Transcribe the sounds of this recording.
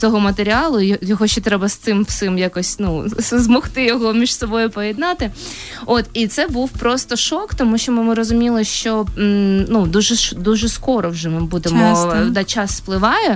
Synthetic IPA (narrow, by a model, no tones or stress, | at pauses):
t̪ɔɦɔmɐt̪eɾʲiɑlˠʊjjɔɦɔʃʲt͡ʃɔt̪ɾɛbɐst̪sɪmwsɪmjakɔsʲnuszmɔxt̪ɪjɔɦɔmʲiʃsɔbɔjʊpɔjɛd̪nɑt̪ɪ | ot̪it̪sɛbuwpɾost̪ɔʃɔkt̪ɔmuʃt͡ʃɔmɪmɪɾɔzʊmʲilˠɪʃt͡ʃɔ | nud̪uʒɛʃd̪uʒɛskɔɾɔwʒɛmɪbud̪emɔd̪ɑt͡ʃɑsːplˠɪʋɑjɛ